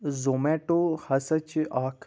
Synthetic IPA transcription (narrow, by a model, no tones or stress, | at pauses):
zoːmeːʈoːhɐsɐt͡ʃʔaːkʰ